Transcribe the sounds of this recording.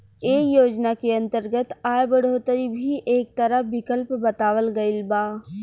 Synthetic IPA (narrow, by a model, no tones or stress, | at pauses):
eːkjoːd͡ʒnakeɐ̃nt̪əɾɡət̪aːjbɐɽ̤oːt̪əɾibʱiʔeːk̚t̪ɐɾəɦbɪkəlpbɐt̪aːʋəlɡəɪlbaː